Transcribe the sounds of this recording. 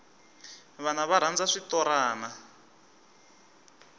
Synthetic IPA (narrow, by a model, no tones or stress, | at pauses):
βanaβaɾ̤and͡zaʂit̪ɔɾaːna